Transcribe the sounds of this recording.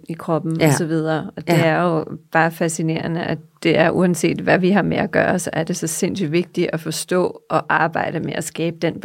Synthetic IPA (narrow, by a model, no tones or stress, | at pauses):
ikʰʁɒ̽b̥n̩ɒsɒ̽ʋið̞ˠɐːɒ̽d̥e̝æɐjo̝b̥ɑ̈ːfæsine̝̰ːɐnəʔæd̥e̝æɐʔuænse̝̰ːd̥ʋæʋiɦɑ̈meʔæɡ̥ɶ̰ːɐsæɐd̥e̝sɒ̽se̝n̰syʋe̝ɡ̥̚d̥iæfɒ̽sd̥ɔ̰̽ːʔɒ̽ʔɑ̈ːb̥ɑ̈ɪ̰ɾ̥əmeʔæsɡ̥ɛːb̥əd̥en̰